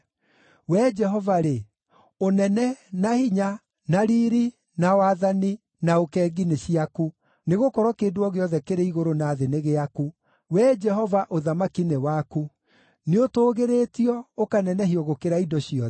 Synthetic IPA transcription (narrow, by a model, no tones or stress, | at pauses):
wɛd͡ʒɛɦɔvaɾe | onɛnɛnahiɲa | naɾiːɾi | nawaːðani | naokɛːɡineɕiaku | neɣokɔɾɔkeːdwɔɣeɔðɛkeɾeiɣoɾonaːðeneɣeaku | wɛd͡ʒɛɦɔvaʔoðamakinewaku | neotoːɣeɾetiɔokanɛnɛɦiɔɣokeɾaidɔɕiɔ